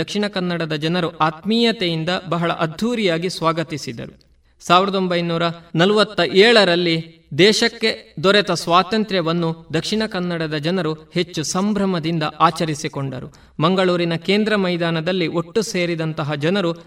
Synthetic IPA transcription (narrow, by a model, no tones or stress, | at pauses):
ɐkʂiɳɐkɐnːɐɽɐd̪ɐd͡ʒɐnɐɾuʔaːt̪miːjɐt̪ejind̪ɐbɐɦɐɭɐ̰ʔɐd̪ʱːuːɾijaːɡisʋaːɡɐt̪isid̪ɐ̰ɾu | saːʋiɾɐd̪o̞mbɐjnuːɾɐnɐlʋɐt̪ːɐʔɛːɭɐɾɐlːi | d̪ɛːʃɐkːe̞d̪ɔɾɛt̪ɐsʋaːt̪ɐnt̪ɾɛʋɐnːud̪ɐkʂiɳɐkɐnːɐɽɐd̪ɐd͡ʒɐnɐɾuhe̞t͡ʃːusɐmbʱɾɐmɐd̪ind̪ɐʔaːt͡ʃɐɾisikoɳɖɐ̰ɾṵ | mɐŋɡɐɭuːɾinɐke̞ːnd̪ɾɐmɐjd̪aːnɐd̪ɐlːiʔoʈːuseːɾid̪ɐnt̪ɐɦɐd͡ʒɐnɐɾu